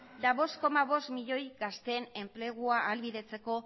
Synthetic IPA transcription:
d̪aβo̞sko̞maβ̞o̞st̪miʎo̞jɡast̪eːne̞mple̞ɣuaʔːlβiðe̞t͡se̞ko̞

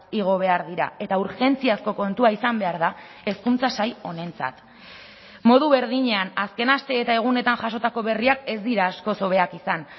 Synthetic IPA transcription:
iɣ̞o̞β̞e̞aɾðiɾa̰e̞t̪auɾxe̞nt͡siasko̞ko̞nt̪uaisambe̞aɾða | e̞skunt͡sasajo̞ne̞nt͡sa̰t̪ | mo̞ðuβe̞ɾðiɲe̞anaske̞nast̪e̞ːt̪ae̞ɣ̞une̞t̪anʝaso̞t̪ako̞βe̞riake̞zd̪iɾaːsko̞so̞βe̞akisan

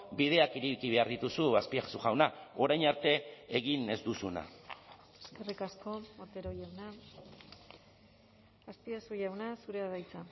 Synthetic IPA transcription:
bið̞e̞akiɾikiβe̞aɾðit̪usuaspiaxsuʝawnao̞ɾajɲaɾt̪e̞eɣine̞zd̪usuna̰ | eske̞rikasko̞ot̪eɾoʝawna | aspiasuʝawnasuɾe̞aðajt͡sa

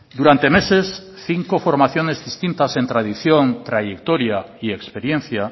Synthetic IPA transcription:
d̪uɾant̪emeses | θiŋkofoɾmaθjonezðist̪int̪asẽnt̪ɾað̞iθjont̪ɾaʝekt̪oɾjaiekspeɾjen̟θja

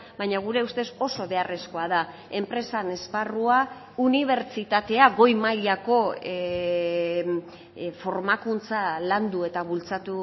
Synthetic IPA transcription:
bajɲaɣ̞uɾe̞ust̪e̞so̞so̞βe̞are̞sko̞aða | e̞mpɾe̞sane̞sparua | uniβ̞e̞ɾt͡ʃit̪at̪e̞aɣo̞jmajako̞ | fo̞ɾmakunt͡saland̪ue̞t̪aβult͡sat̪u

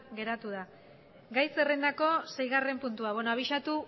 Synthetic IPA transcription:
ɡe̞ɾat̪uða | ɡajse̞rend̪ako̞se̞jɣare̞mpunt̪uaβonoaβiʃat̪u

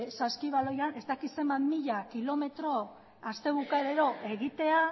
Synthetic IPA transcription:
saskiβalo̞jane̞zt̪akise̞mbanmiʎakilo̞me̞t̪ɾo̞ | ast̪e̞β̞ukaeɾe̞ɾo̞ʔe̞ɣit̪e̞a

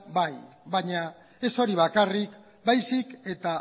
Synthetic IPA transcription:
baj | baɲa | e̞so̞ɾiβ̞akarik | bajsike̞t̪a

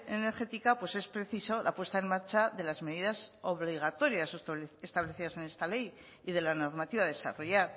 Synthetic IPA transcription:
ene̞ɾxe̞t̪ikapwe̞se̞spɾe̞θiso̞lapwe̞st̪ae̞nmaɾt͡ʃaðe̞lazme̞ðiðaso̞βliɣ̞at̪o̞ɾjasest̪aβle̞θiðase̞ne̞st̪ale̞j | ið̞e̞lano̞ɾmat̪iβaðe̞sa̰ro̞jaɾ

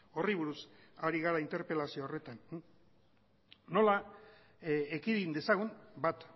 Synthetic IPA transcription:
o̞riβuɾusaɾiɣaɾaint̪e̞ɾpe̞lasioaore̞t̪an | o̞la | ekiðind̪e̞saɣunbat̪

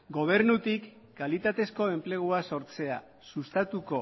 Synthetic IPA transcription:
ɡo̞β̞e̞ɾnut̪ikː | alit̪at̪e̞sko̞e̞mple̞ɣ̞uaso̞ɾt͡se̞a | sust̪at̪uko̞

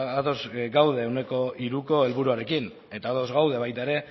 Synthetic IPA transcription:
at̪o̞zɡawðe̞ːwne̞ko̞iɾuko̞e̞lβuɾuaɾe̞kin | e̞t̪aːt̪o̞zɣawðe̞βajt̪aeɾe̞

